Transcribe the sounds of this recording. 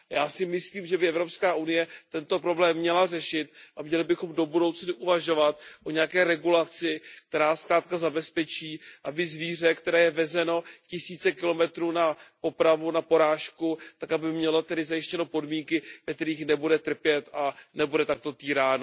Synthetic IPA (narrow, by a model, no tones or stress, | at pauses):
jaːsɪmɪsliːmʒɛbɪʔɛvɾo̞pskaːʔunɪjɛt̪ɛnt̪o̞pɾo̞blɛːmːɲɛlarɛʃɪt̪ʔamɲɛlɪbɪxo̞mdo̞budo̞wt͡snɪʔuvaʒo̞vat̪̚ʔo̞ɲɛjakɛːɾɛɡulat͡sɪk̚t̪ɛɾaːskɾaːt̪̚kazabɛspɛt͡ʃiːʔabɪzviːr̝ɛkt̪ɛɾɛːjɛvɛzɛno̞cɪsiːt͡sɛkɪlo̞mɛt̪ɾuːnapo̞pɾavunapo̞ɾaːʃkut̪akabɪmɲɛlot̪ɛdɪzajɪʃcɛnopo̞dmiːŋkɪvɛk̚t̪ɛɾiːxnɛbudɛt̪r̩pjɛt̪anɛbudɛt̪ak̚t̪o̞t̪iːɾaːno